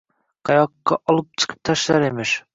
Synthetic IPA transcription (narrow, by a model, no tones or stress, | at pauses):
qʰɑjɑqːɑʔɒlˠɨp̚t͡ʃʰɨ̥qʰɨ̥p̚t̪ʰɑʃlaɾemɪʃ